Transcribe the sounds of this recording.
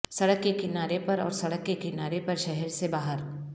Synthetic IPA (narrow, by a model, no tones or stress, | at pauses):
sɐɽəkːekɪnaːɾepɐɾɔ̰ːɾsɐɽəkːekɪnaːɾepɐɾʃɛɦɛɾsebaːɦəɾ